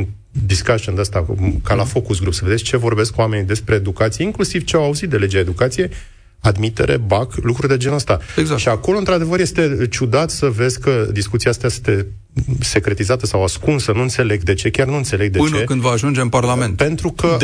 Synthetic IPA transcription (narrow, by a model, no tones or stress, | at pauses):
n | d̪iskaʒind̪ast̪akalafo̞kusɡɾupsəved̪et͡ʃe̞vo̞rbe̞skuame̞nid̪e̞spɾe̞ːd̪ukat̪sije̞iŋklusiv̥t͡ʃeawauzit̪̚d̪e̞le̞d͡ʒeaed̪ukat̪sije̞j | ad̪mit̪e̞̰ɾe̞̰baklukɾurd̪e̞d͡ʒe̞nəst̪aeɡzaʃiako̞loɨnt̪ɾad̪e̞vəɾje̞st̪e̞t͡ʃud̪at̪səve̞zʲkəd̪iskut̪siast̪easɨt̪e̞ | se̞kɾe̞t̪izat̪əsawaskunsənuɨnt̪se̞le̞ɡd̪e̞t͡ʃe̞kʲarnuɨnt̪se̞le̞ɡ̚d̪eɨt͡ʃnekɨnd̪vəaʒund͡ʒeɨmparlament̪pe̞nt̪ɾukə